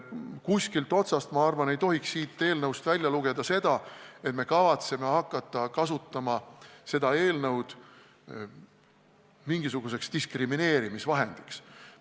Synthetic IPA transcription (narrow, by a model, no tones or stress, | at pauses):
kusʲkilt̪ˑo̞t̪sɑst̪mɑɑrvɑne̞jt̪o̞ɦiksːiːt̪ːe̞ːlnɤwst̪vælʲjɑluɡ̥e̞d̪̥ɑse̞d̪̥ɑe̞t̪me̞kɑvɑt̪seme̞hɑkˑːɑt̪ːˑɑkɑsut̪ˑːɑmɑse̞d̪ɑe̞ːlnɤwd̪̥ | miŋɡ̥isuɡ̥us̬e̞kst̪iskrimine̞ːɾimisvɑɦe̞̰nd̪̥iks